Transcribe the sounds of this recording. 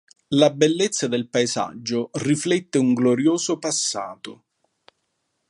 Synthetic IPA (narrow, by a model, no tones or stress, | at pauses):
labelːet̪sːad̪elpaeza̰d͡ʒːʊriflɛt̪ːeuŋɡloɾjoːzopasːa̰ːt̪o